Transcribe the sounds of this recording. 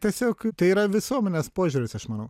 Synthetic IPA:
tʲiɛsʲoːkt̪ɐɪiːɾɐʋʲɪsuɔmʲɛnʲeːspoːʒʲuːɾʲɪsɐʃmɐnɐʊ

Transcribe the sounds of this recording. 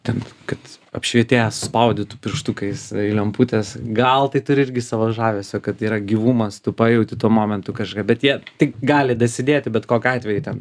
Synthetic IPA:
t̪ʲɛnkɐt̪ɐ̰pʲʃʲʋʲiɛt̪ʲeːjɛsʊ̥spɐʊd̪ʲɪt̪ʊpʲɪrʃt̪ʊkɐɪsɪlʲɛmpuːt̪ʲɛsɡɐlˠt̪ɐɪt̪ʊɾʲɪɪɾʲɡʲɪsɐʋɐʒɑːʋʲɛsʲokɐt̪iːɾɐɡʲiːʋuːmɐst̪ʊpɑːjɛʊt̪ʲɪt̪uɔmoːmʲɛnt̪ʊkɐʃkɐpbʲɛt̪jiɛt̪ʲɪkɡɑːlʲɪd̪ɐsʲɪd̪ʲeːt̪ʲɪbʲɛt̪koːkʲɑːt̪ʲʋʲɛjʊtʲɛn

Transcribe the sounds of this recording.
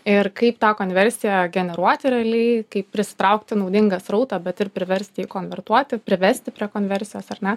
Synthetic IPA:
ɪrkɐɪpt̪ɑːkoːnʲʋʲɛɾʲsʲɪjɛɡʲɛnʲɛɾuɔt̪ʲɪɾʲɛːlʲɛɪkɐɪppʲɾʲɪsʲɪ̥t̪ɾɐʊkt̪ʲɪnɐʊd̪ʲɪŋɡɐsɾɐʊt̪ɑbʲɛt̪ɪrpʲɾʲɪʋʲɛɾʲsʲt̪ʲɪiːkoːnʲʋʲɛrt̪uɔt̪ʲɪpʲɾʲɪʋʲɛɾʲsʲt̪ʲɪpʲɾʲiɛkoːnʲʋʲɛɾʲsʲɪjoːsɐrnʲɛ

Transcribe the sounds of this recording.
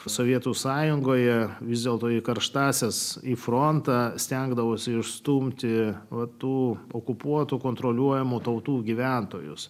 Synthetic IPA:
soʋʲiɛt̪uːsɑːjʊŋɡoːjɛʋʲɪzd̪ʲeɛlˠt̪oːikɐɾʃt̪ɑːsʲesifɾont̪ɑːsʲt̪ʲɛŋɡd̪ɐʋoːsʲɪɪʃst̪umʲt̪ʲɪʋɐt̪uːokʊpuɔt̪uːkoːnt̪ɾolʲuɔjɛmuːt̪ɐʊt̪uːɡʲiʋʲæˑnt̪oːjʊ̰s

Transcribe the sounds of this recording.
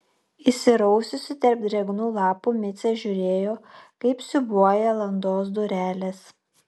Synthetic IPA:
ɪsʲɪɾɐʊsʲʊsʲɪt̪ʲɐɾʲp̚d̪ʲɾʲɛɡnuːlˠɑːpuːmʲɪt̪sʲɛʒʲʊɾʲeːjoːkɐɪpsʲʊbuɔjɛlˠɐnd̪oːs̬d̪ʊɾʲæːlʲeːs

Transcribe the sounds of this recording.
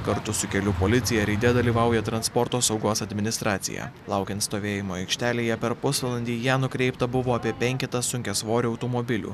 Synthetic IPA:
kɐɾt̪ʊsʊkʲɛlʲupoːlʲɪt̪sʲɪjɛɾʲiːd̪ʲɛd̪ɐlʲiːʋɑˑʊjɛt̪ɾɐnspɔɾt̪oːsɐʊɡoːsɐd̪ʲmʲɪnʲɪst̪ɾɑːt̪sʲɪ̰jæ̰lˠɑʊkʲɛnt̪st̪oːʋʲeːjɪmoːɛɪkʃʲt̪ʲæːlʲeːjɛpʲɛɾpʊsʋɐlˠɐnʲd̪ʲiːjæːnʊkɾʲɛɪpt̪ɐbʊʋoːɐpʲiɛpʲɛŋʲkʲɛt̪ɐssʊŋʲkʲɛsʋoːɾʲɪɐʊt̪omobʲɪlʲṵː

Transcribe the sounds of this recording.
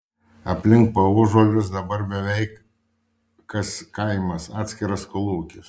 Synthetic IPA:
ɐpʲlʲɪŋk̚pɐʊʒoːlʲʊsd̪ɐbɐɾbʲɛʋʲɛɪk | kɐskɐɪmɐsɑːt̪ʲsʲkʲɪɾɐskʊlˠuːkʲɪs

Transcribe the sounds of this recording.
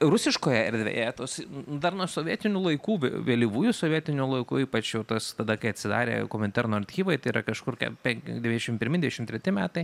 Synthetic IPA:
rʊsʲɪʃkoːjɛɛɾʲd̪ʲʋʲḛjɛt̪oːsd̪ɐrnuɔsoʋʲiɛt̪ʲɪnʲuːlˠɐɪkuːʋ̰ʲʋʲeːlʲiʋuːjusoʋʲiɛt̪ʲɪnʲʊlˠɐɪkṵːiːpɐt͡ʃjɛʊt̪ɐst̪ɐd̪ɐkɐɪɐt̪ʲsʲɪd̪ɑ̰ːɾʲḛːkoːmʲɛnʲt̪ʲæɾnoːɐrʲt̪ʲxʲiːʋɐɪt̪ɐɪiːɾɐkɐʃkʊrkʲɛ̰pʲɛŋkʲd̪ʲɛʋʲinʲɛʃɪmpʲɪɾʲmʲɪd̪ʲɛʃɪmt̪ʲɾʲɛt̪ʲɪmʲæːt̪ɐɪ

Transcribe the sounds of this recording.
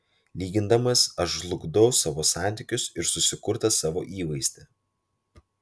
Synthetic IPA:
lʲiːɡʲɪnd̪ɐmɐsɐʃʒlˠʊɡd̪ɒʊsɑːʋoːsɑˑnʲt̪ʲɪkʲʊsɪɾsʊsʲɪkʊɾt̪ɐsɑːʋo̰ːʔiːʋɐɪsʲt̪ʲɛ

